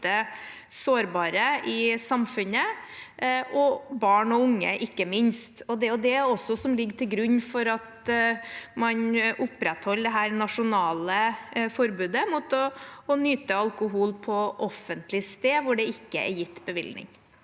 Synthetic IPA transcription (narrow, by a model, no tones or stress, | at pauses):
ə | soːɾbɑːɾəʔɪsɑmfʉnə | ʔɔbɑːɳɔʊŋːə̰ʔɪkːəmɪnst̪ɔd̪ɛjʊd̪ɛɔsːɔsɔmlɪɡːʈ̪ʰɪlɡɾʉɲːfɔɾɑt̪ | mɑnʔʊpːɾɛt̪hɔlːd̪ɛɦæːɾnɑʂʊnɑːləfɔɾbʉːd̪əmʊt̪ɔːnyːt̪əɑlkʊɦuːlpʰɔʔɔfːənt̪lɪst̪eːʋʊɖɛɪkːəɛ̰ɾjɪt̪ːbəʋɪ̰ldnɪ̰ŋ